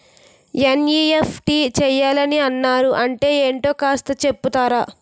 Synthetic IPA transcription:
enjiːefʰʈiːt͡ʃɛːjaːlɐniɐnːaːɾuʔɐɳʈe̞ːeːɳʈo̞ːkaːst̪ɐt͡ʃe̞pːut̪aːɾaː

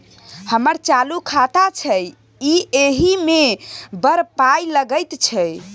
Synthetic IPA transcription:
həməɾt͡ʃalukʰat̪at͡ʃʰəj | ieɦimebəɾpajləɡəjt̪t͡ʃʰɛ

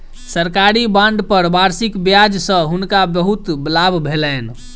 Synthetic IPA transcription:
səɾkaɾibãɳɖpəɾbaɾsikbjad͡ʒsə̃ɦunkabəɦut̪blabʱbʱelɛn

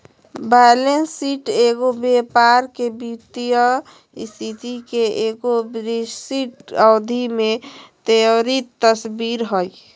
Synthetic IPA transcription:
balensiʈeɡobepaɾkebit̪ijə | ist̪ʰit̪ʰikeʔeɡobɾid͡ʒsiʈəːd̪ʱimẽt̪ejoɾit̪ːəsbiɾɦoj

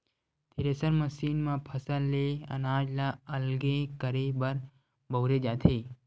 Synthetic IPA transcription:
t̪ʰiɾesəɾməsiːnmãpʰəsəlːeə̰naːd͡ʒlaəlɡekəɾebəɾ | bəwɾed͡ʒaːt̪ʰeː

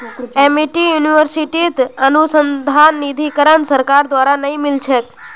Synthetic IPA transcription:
emiʈijuniʋəɾsiʈit̪ənusənd̪ʱanːid̪ʱikəɾənsəɾkaɾd̪ʋaɾanəɦĩmɪlt͡ʃʰet

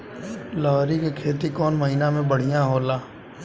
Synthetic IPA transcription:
lɔːɦɾikekʰeːt̪ikɔːnməɦiːnamẽbəɽ̤ijãɦoːlaː

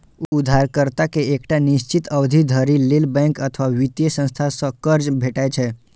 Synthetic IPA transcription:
ud̪ʱːaɾkəɾt̪akeekʈaniʃt͡ʃit̪əʋd̪ʱid̪ʱəɾilelbɛ̃ŋkət̪ʰʋaʋit̪jesə̃st̪ʰasəkəɾd͡ʒbʱeʈajt͡ʃʰe

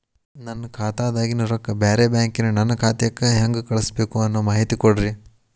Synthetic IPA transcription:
nɐnːɐkʰaːt̪aːd̪aːɡinuɾɐkːɐbeːɾebjaːŋkinunɐnːɐkʰaːt̪ɐjɐkːeɦɐŋɡukɐɭɐsbe̞ːkuɐnːoːmaːɦit̪ikoɽɾi

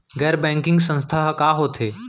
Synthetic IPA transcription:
ɡɛːɾbɛ̃ːŋkɪ̃ŋɡsə̃nst̪ʰaɦkaːɦot̪ʰeː

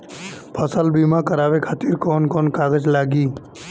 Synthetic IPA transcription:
pʰəsəlbiːmãkəɾaːʋekʰaːt̪iɾkoːnkoːnkaːɡəd͡ʒlaːɡiː

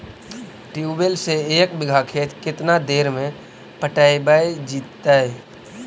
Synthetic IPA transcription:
ʈiubelseeːkbɪɡʱakʰeːt̪ʰkɪt̪nad̪eːɾmẽ | pəʈaːibaːjd͡ʒiːt̪ːaɛ

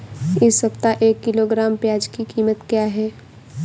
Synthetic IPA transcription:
ɪsɐpt̪aʔeːkːɪloɡɾaːmpjaːd͡ʒkikiːmət̪kjaːɦɛː

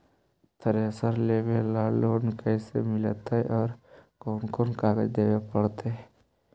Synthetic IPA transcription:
t̪ʰəɾeəsəɾlebelaːloːnkəɪsḛmɪlt̪aɦɛʔɔːɾkɔːnkɔːnkaːɡəd͡ʒd̪eːwepəɽt̪eɦɛ

